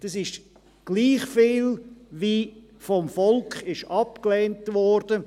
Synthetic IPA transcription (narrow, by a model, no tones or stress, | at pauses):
d̥ɑsɪʃ | ɡ̥liːχfiːlviː | fɔmfɔlkχɪʃɑpklɛːntvɔɾd̥ə